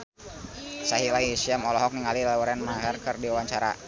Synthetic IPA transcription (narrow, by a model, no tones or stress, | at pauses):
saɦilaisiamɔlɔɦɔk̚niŋalilauɾɛnmaɦərkərdiawaɲt͡ʃaɾa̰